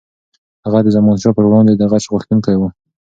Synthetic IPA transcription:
haɣad̪əzamɑnʃɑpəɾwɽɑnd̪ed̪aɣat͡ʃɣʊxt̪ənkəɽewu

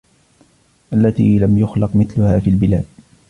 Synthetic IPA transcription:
ʔalːat̪ḭːlamjʊxlɑqmɪθlʊhaːfiːlbɪlaːd̪̚

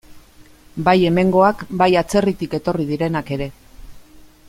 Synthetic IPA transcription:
baje̞me̞ŋɡo̞akbajat͡se̞rit̪ike̞t̪o̞rið̞iɾe̞nake̞ɾe̞

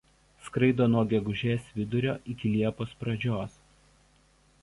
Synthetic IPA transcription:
skɾɐɪd̪oːnuɔɡʲɛɡʊʒʲeːsʋʲɪd̪ʊɾʲoːʔɪkʲɪlʲiɛpoːspɾɐd͡ʒʲoːs

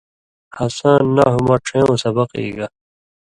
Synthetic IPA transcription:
hɐsaːnːaɦumaʈ͡ʂʰẽːosɐbɐqḭːɡa

